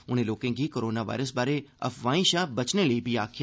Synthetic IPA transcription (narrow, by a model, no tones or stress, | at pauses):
ʊn̤ẽloːkẽːkikoːɾoːnaʋa̰ːɪɾəsbaːɾeɐ̰fʋãːĩʃaːbɐt͡ʃneləibʱiaːkʰɪj